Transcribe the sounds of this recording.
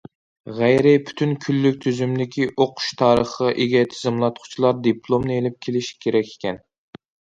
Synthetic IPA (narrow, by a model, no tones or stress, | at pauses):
ʁæjɾɪpʰy̥t̪ʰynkʲʰylːykʲt̪ʰyzymd̪ɪkʲʰiʔoqʰʊ̥ʃt̪ʰɑːɾəχəʔeɡʲɛt̪ʰɪzɪmlˠɑt̪qʰʊ̥t͡ʃʰilˠɑɾd̪ipʰlˠomnɨelɪp̚kʲʰelɪʃkʲʰeɾɛkʲʰːe̥kʲʰɛn